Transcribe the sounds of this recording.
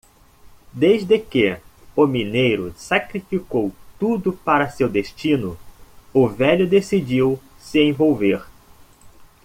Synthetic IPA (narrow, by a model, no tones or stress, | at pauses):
d̪ejzd̪ɪkɪʊminejɾʊsakɾifikowt̪ud̪ʊpaɾɐsewd̪est͡ʃĩnʊʊvɛʎʊd̪esid͡ʒiw | sɪẽvowveɾ